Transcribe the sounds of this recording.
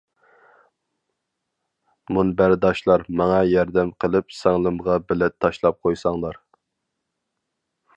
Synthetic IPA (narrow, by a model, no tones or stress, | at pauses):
munbæɾd̪ɑʃlˠɑɾmɑŋɑjɑɾd̪ɛmqʰəlˠɨpsɛŋlˠɨmʁɑbɪlɛt̪ʰːɑʃlˠɑp̚qʰojsɑŋlˠɑɾ